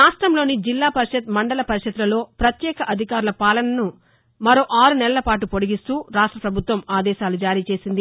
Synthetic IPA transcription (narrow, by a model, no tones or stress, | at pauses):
ɾaːʂʈɾɐmlo̞ːnid͡ʒilːaːpɐɾiʃɐt̪̚mɐɳɖɐlɐpɐɾiʃɐd̪lɐlo̞ːpɾɐt̪jɛːkɐʔɐd̪ʱikaːɾulɐpaːlɐnɐnu | mɐɾo̞ːʔaːɾunɛlɐlɐpaːʈ̬upoɽiɡist̪uːɾaːʂʈɾɐpɾɐbʱut̪ʋɐmaːd̪ɛːʃaːlud͡ʒaːɾiːt͡ʃe̞ːsind̪i